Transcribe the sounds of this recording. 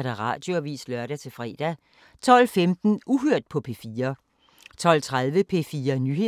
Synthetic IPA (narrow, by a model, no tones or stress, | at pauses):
ɾ̥æʁɑ̰̈ːd̥jo̝ɒʋḭːslɶɐɾ̥æt͡sʰe̝fʁɛ̰ːd̥æ | t͡sʰɒ̽lfemd̥n̩ʔuɦøɐ̰d̥̚pʰɒ̽pʰe̝fiːɐ | t͡sʰɒ̽lt͡sʰʁaðˠʋəpʰe̝fiːɐnyhe̝